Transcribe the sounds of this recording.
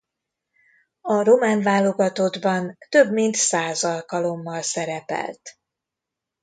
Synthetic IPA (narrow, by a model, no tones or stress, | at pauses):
ɒro̞maːnvaːlo̞ɡɒt̪o̞d̪bɒnt̪ø̞bmint̪saːzɒlkɒlo̞mːɒlsɛɾɛpɛ̰lt̪